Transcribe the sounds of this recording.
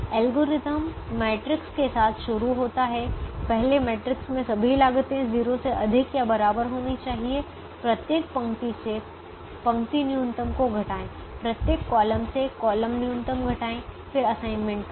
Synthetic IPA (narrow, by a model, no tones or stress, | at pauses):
ɛːlɡoːɾɪt̪əmːeːʈɾɪkskesaːt̪ʰʃʊɾuɦoːt̪aɦɛpɛɦlemeːʈɾɪksmẽsɐbʱilaːɡt̪eɦɛ̃ziːɾoseʔɐd̪ʱɪkjabɐɾaːbəɾɦoːnit͡ʃaːɦie | pɾɐt̪jeːk̚pɐ̃ŋt̪ise | pɐ̃ŋt̪injũnt̪əmkoɡʱɐʈaːẽː | pɾɐt̪jeːkːɔːləmsekɔːləmnjũnt̪əmɡʱɐʈaːẽfɪɾɐsaːɪnmẽɳʈ̚k